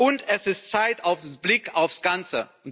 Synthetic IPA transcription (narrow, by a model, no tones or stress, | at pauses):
ʊntɛsɪstt͡saɪtaʊfb̥lɪkaʊfsɡ̥ant͡sə̰